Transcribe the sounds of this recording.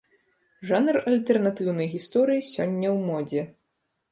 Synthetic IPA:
ʐanɐrɐlʲt̪ɛrnat̪ɨwnɐjɣʲist̪ɔɾɨjisʲɔnʲːɐwmɔd͡zʲɛ

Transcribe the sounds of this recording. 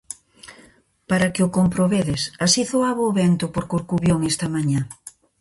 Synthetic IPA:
paɾakeʊkompɾoβeðesasiθoaβoːβent̪ʊpoɾkoɾkuβjoŋest̪ɐmãɲa

